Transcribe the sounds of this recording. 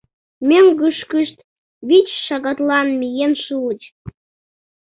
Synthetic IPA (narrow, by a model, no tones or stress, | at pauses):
mʲeŋɡɯʃkəʃt̪ | βit͡ɕʃɑɣɑt̪lɑnmʲijenʃulət͡ɕ